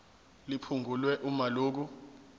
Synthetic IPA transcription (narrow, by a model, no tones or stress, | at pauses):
lipʰuŋʱulwɛʔumaloːk̬u